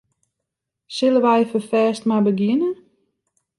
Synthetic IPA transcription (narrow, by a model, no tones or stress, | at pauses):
sɪləʋɛjfəfɛːstmabəɡjɪnə